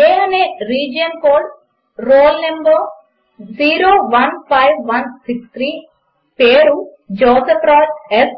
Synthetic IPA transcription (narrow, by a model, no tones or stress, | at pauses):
eːɐneːɾiːd͡ʒijɐnkoːɾɖ | ɾoːlnemboː | d͡ʒiːɾoːʋɐnpʰɐjʋːɐnsikst̪ʰɾiː | peːɾud͡ʒoːsepɾɔːd͡ʒes